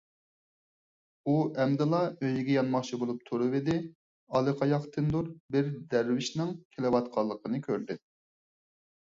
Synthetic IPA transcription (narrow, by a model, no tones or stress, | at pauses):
uʔɛmd̪ɪlˠɑøjɡʲɛjɑnmɑχt͡ʃʰibolˠup̚t̪ʰuɾɨvɪd̪ɪ | ɑlˠɨqʰɑjɑχt̪ʰɨnd̪uɾbɪɾd̪æɾwɪʃnɪŋkʲʰelɪwɑt̪qʰɑlˠːəqənɨkʲʰøɾd̪ɪ